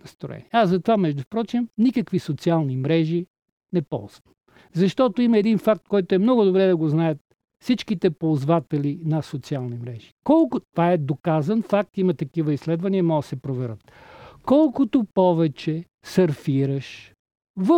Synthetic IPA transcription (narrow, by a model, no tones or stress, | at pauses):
st̪ɾo̰ɛ̰niɛazɐt̪ovamɛʒd̪ʊpɾɔt͡ʃimnikəkvisot̪sialˠnimɾɛʒi | nɛpɔ̰lˠzvɐm | zɐʃt̪ɔt̪oimɐɛd̪infak̚t̪̚kɔjt̪oɛmnɔɡʊd̪obɾɛd̪ɐɡoznajət̪̚ | fsit͡ʃkit̪ɛpolˠzvat̪ɛlinɐsot̪sialˠnimɾɛʒi̥kɔlˠkʊt̪vaɛd̪okazɐnfak̚t̪imɐt̪ɐkivəislɛd̪vɐniəmɔɡəsɛpɾovɛɾət̪̚ | kɔlˠkʊt̪opɔvɛt͡ʃɛ | sɐɾfiɾəʃ | və